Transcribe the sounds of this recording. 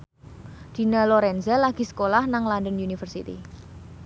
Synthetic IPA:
d̪̥i̤naloɾɛnzalaɡ̥i̤sə̥kolahnaŋlandənjunifərsit̪ḭ

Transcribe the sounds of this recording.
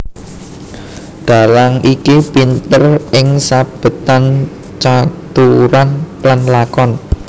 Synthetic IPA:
d̪̥a̤laŋikipint̪ərɪŋsab̥ə̤t̪an | t͡ʃat̪uɾanplanlakɔn

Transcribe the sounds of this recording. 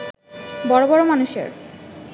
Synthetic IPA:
bɔɾobɔɾomanuʃḛɾ

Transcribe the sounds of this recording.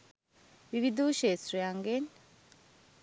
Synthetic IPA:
βiβid̪uːʃesɾojaŋɡen

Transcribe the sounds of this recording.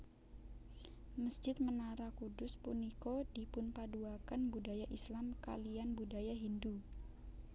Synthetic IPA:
məsd͡ʒɪt̪̚mənaɾakudʊspunikodipʊnpaduakanbudajaʔislamka̰lianbudajaɦindu

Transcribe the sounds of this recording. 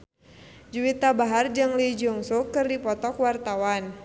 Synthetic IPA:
d͡ʒuwit̪abaɦard͡ʒaŋlid͡ʒɔŋsukɨrdipɔt̪ɔkwart̪awan

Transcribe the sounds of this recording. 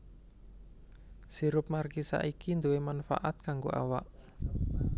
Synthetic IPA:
siɾʊp̚markisa̰ʔikind̪owemanfa̰ʔat̪̚kaŋɡoʔa̰wa̰ʔ

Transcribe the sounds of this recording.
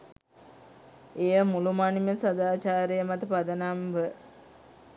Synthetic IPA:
ejəmulumaniməsɐd̪aːt͡ʃaːɾejəmat̪əpad̪ɐnamʋə

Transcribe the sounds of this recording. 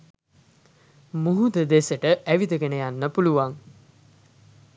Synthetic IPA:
muɦud̪əd̪esəʈəʔæʋid̪əɡenəjanːəpuluʋaŋ

